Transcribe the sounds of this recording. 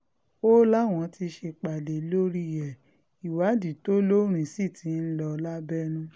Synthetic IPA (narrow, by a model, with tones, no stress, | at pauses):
o˦la˦˨w̃ɔ̃˨˧ti˧ʃe˧k͡pa˨de˨˦lo˦ɾi˦jɛ˨ | i˨wa˨˦di˨to˦lo˦ɾ̃ĩ˨si˦˨tʰi˨˦n̩˦lɔ˧la˦bɛ˦nũ˦